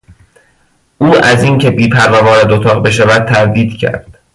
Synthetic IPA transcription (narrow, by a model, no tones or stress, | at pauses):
ʔuːæziːncʰe̞biːpʰæɾːɒːvɒːɾæd̪ot̪ʰɒːɣbe̞ʃ̬ævæd̪̚t̪ʰæɾd̪iːd̪̥cʰæ̰ɾd̪̥